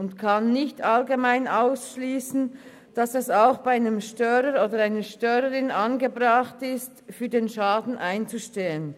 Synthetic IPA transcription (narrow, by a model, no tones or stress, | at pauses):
ʊntkʰanːɪçtalɡemaɪnʔaʊsʃliːsn̩ | d̥asɛsaʊxb̥aɪnəmʃtœʏɾəoːdəɾaɪnəʃtœʏʁəɾɪnʔanɡəbʁaχtɪstfyːɐdeːnʃaːdn̩ʔaɪnt͡suʃteːən